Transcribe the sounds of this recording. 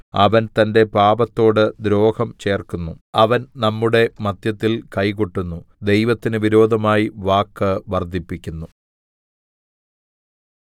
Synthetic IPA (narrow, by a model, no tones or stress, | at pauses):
ɐ̰ʋɐnt̪ɐnde̞paːbɐt̪ːo̞ːɽɨd̪ɾo̞ːhɐmt͡ɕe̞ːrkunːuɐʋɐnnɐmːuɽe̞mɐd̪jɐt̪ːilkɐjkoʈːunːud̪e̞jʋɐt̪ːinɨʋiɾo̞ːd̪ʱɐmaːjiʋaːkːɨʋɐrd̪ʱipːikʲːunːu